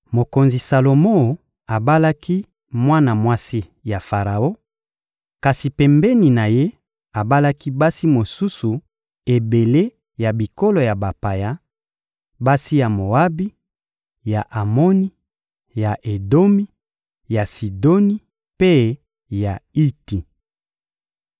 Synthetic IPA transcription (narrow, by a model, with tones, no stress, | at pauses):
mo˨ko˨nzi˨sa˨lo˨mo˦˨ | a˨ba˦la˦kʰi˦ | mwa˦na˨mwa˦si˦ | ja˨fa˨ʁa˨o˦ | ka˨si˨pɛ˨mbɛ˦ni˨na˨je˦ | a˨ba˦la˦ki˦ba˦si˦mo˨su˦su˨ | e˨be˨le˦ | ja˨bi˨ko˦lo˨ja˨ba˨pa˨ja˦ | ba˦si˦ja˨mo˨a˦bi˦ | ja˨ʔa˨mo˦ni˦ | ja˨ʔe˨do˦mi˦ | ja˨si˨do˦ni˦ | pe˦ | ja˨i˦ti˨